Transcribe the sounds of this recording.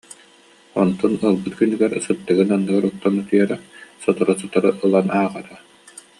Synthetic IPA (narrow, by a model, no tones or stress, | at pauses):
ɔnt̪ɔnɯlˠbɯt̪̚kynːyɡɛɾsɯt̪ːɯɡɯnanːɯɡaɾut̪ːɔnɯt̪yɛɾɛsɔt̪ɔɾɔsɔt̪ɔɾɯʔɯlˠanaːʁat̪a